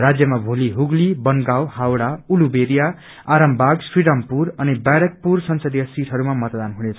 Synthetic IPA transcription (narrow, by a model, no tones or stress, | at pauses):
rad͡zjʌmabʱoliɦuɡlibʌnɡawhawɽaulubeɾija | aɾʌmbʱaɡsriɽampurʌnibaɾʌk̚pursʌnsʌd̪ijʌsiʈʰɦʌɾumamʌt̪d̪anɦunet͡sʰʌ